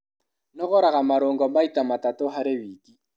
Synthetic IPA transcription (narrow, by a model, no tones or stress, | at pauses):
nɔɣɔɾaɣamaɾoŋɡɔmaitamatatoɦaɾewiːki